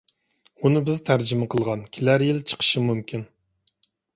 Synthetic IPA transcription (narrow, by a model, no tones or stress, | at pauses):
unɨbɪzt̪ʰæɾd͡ʒɪmɪqʰəlˠʁɑnkʲʰɪlæɾjɪlt͡ʃʰə̥qʰə̥ʃɨmymkʲʰin